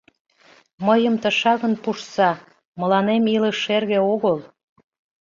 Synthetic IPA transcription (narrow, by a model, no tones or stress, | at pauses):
məjəmt̪əʃɑɣənpuʃsɑ | məlɑnemiləʃːerɣeoɣəl